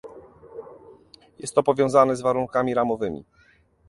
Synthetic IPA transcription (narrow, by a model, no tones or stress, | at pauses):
jɛ̰st̪ːɔpɔvʲjɔ̃w̃zanɛzvaɾuŋkamʲiɾamɔvɘmʲḭ